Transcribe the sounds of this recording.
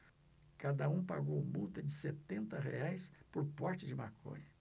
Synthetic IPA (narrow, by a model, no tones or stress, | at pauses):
kad̪ɐũpa̰ɡowmuwt̪ɐd͡ʒɪset̪ẽnt̪ɐɦḛajspoɾpɔɾt͡ʃɪd͡ʒɪmakʰõ̰ɲɐ